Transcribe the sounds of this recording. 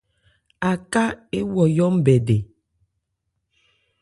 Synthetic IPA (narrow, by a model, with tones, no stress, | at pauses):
a˨ka˦e˦wɔ˨jɔ˦m̩˦bɛ˨de˨